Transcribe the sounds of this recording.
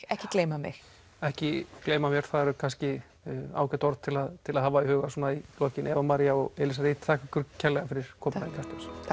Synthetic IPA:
ɛhcɪkleːjmamɪ̰x | ɛhcɪkleːjmamjɛɾ̥θaðɛɾʏkʰanscɪ | a̰ːwkɛt̪ɔɾt̪t̪ʰɪlaðt̪ʰɪlaðhaːvaihœːɣasuɔːnailɔːcɪnʔɛːvamaɾjaɔɣɛːlɪsaɾiːt̪θʰaːkvʏkʏɾcʰɛlɛɣafɪɾɪɾ̥kʰɔːp̪aðɪnkʰast̪ɔs

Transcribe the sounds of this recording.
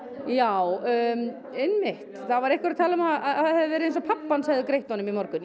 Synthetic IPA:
jaw | ejnmɪht̪θavaɾehkvɛɾat̪ʰaːlʏmaaaθhɛðvɛɾɪejnsɔpʰapːansaɣðʏkɾejht̪ɔnːʏmimɔɾkʏn

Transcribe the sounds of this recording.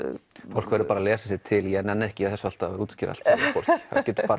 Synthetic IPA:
fowl̥kvɛɾʏpaːɾalɛːsasɪt̪ʰɪljɛnɛnːɛhcɪaθɛsːal̥t̪avɾuːt̪scɪɾa̰lt̪sfo̰wl̥ha̰cɛːt̪ʏ̥paːɾ

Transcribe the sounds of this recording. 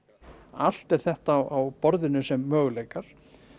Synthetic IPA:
al̥t̪ɛɾ̥θɛht̪aːwawpɔɾðɪnʏsɛmːœːɣʏlejkaɾ̥

